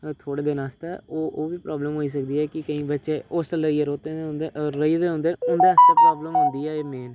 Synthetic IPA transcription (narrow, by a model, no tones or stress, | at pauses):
t̪ʰoːɽeːd̪eːnaːst̪ɛːoːʔoːʋiːpɾɔːbləmɦoːiːs̬ək̚d̪iːɛːkɪkəĩːbətːʃeːoːsʈəlːəiːɛːɾoːt̪ẽːend̪eɾəiːd̪eːɦʊ̃nd̪eːʊnd̪eːəst̪eːpɾɔːbləmɦʊ̃nd̪iːɛːeːmeːn